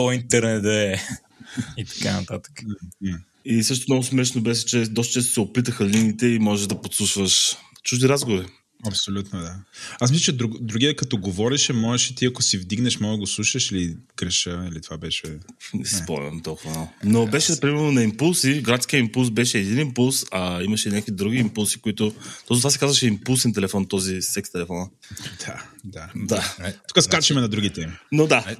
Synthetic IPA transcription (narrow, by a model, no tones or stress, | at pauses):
int̪ɛɾnɛd̪ɐɛ | it̪ɐ̥kanɐ̰t̪at̪ə̥k̩ | isɤʃ̬t̪omnɔɡʊsmɛʃnobɛʃɛt͡ʃɛd̪ɔst̪ət͡ʃɛst̪osɛopit̪əxəlinit̪ɛimɔʒɛʒd̪ɐpot̪sˠuʃvəʃt͡ʃuʒd̪iɾazɡovɾi | ɐpsolʲut̪nod̪aasmisʲlʲət͡ʃɛd̪ɾuɡd̪ɾuɡʲiəkɐt̪ɔɡovɔɾiʃɛmɔʒɛʃɛt̪iɐkosivd̪iɡnɛʃmɔɡəɡoslˠuʃəʃili | ɡɾɛʃəilit̪ovabɛʃɛ | nɛ̰sispɾo̰ɐ̰mt̪ɔlˠkʊvɐmalˠnobɛʃɛpɾimɛɾnonɐimpulˠsiɡɾat̪k̟iəimpulˠsbɛʃɛːd̪inimpulˠsɐimɐʃɛnʲakoid̪ɾuɡ̟iimpulˠsi̥koit̪ʊt̪ɔsot̪vasɛkazvɐʃɛimpulˠsɛnt̪ɛlɛfɔnt̪ɔzisɛkst̪ɛlɛfɔnəd̪ad̪ad̪at̪u̥kəskat͡ʃɛmɛnɐd̪ɾuɡʲit̪ɛminod̪a